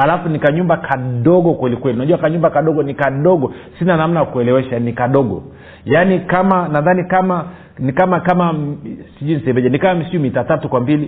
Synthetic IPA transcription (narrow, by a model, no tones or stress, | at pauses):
alafunikaɲumbakʰaɗɔɡɔkwɛlikwɛliunaʄuwakaɲumbakaɗɔɡɔnikaɗɔɡɔsinanam̩nakuɛlɛwɛʃanikaɗɔɡɔ̰ | janikamanaðanikama | nikamakamasiʄuinisɛmbɛʄanikawamisiumitatatukwambili